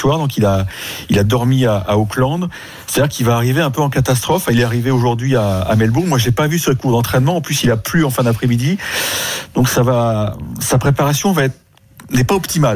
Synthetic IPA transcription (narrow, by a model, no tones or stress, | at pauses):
t̪waʁd̪ɔ̃kilailad̪ɔʁmiaʔaoklɑ̃d̪ | se̥t̪ad̪iʁkilvaːʁiveɛ̃pøɑ̃kat̪as̬t̪χɔffɛ̃ilɛaʁiveoʒuʁd̪ɥia̰ːmɛlbuʁmwaʒepavysəkuʁd̪ɑ̃t̪χɛnmɑ̃ːplysilaplyɑ̃fɛ̃d̪apχemid̪i | d̪ɔ̃ksavasapχepaʁasjɔ̃vaɛt̪χ | nɛpaɔpt̪imal